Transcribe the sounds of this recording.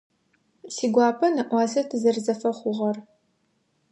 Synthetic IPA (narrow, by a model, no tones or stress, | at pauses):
siːɡʷɑːpʰɐnɐʔʷɑːzɐtʰɨzɐrzɐfɐχʷʊʁɐr